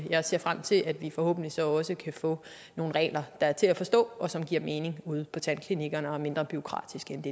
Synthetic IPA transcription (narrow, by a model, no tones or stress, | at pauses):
jɑ̈ɪse̝ɐfʁam̰t͡sʰe̝læd̥ʋifɒ̽ho̰̽ːb̥n̩lisɒ̽ɒ̽səkʰæfɔ̰ | no̝ːn̩ʁɛ̰ːlɐd̥ɑ̈æɐt͡sʰe̝læfɒ̽sd̥ɔ̰̽ːɒ̽sɒ̽mɡ̥iɐ̰me̝ːne̝ŋuð̞̰ˠpʰɒ̽t͡sʰænkʰliniɡ̥ɐnəɒme̝nd̥ʁɐb̥yo̝kʰʁɑ̰̈ːd̥isɡ̥end̥e̝